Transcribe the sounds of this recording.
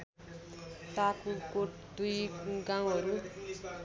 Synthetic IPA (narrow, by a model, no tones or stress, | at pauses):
takukoʈ | d̪ujɡaw̃ɦʌɾu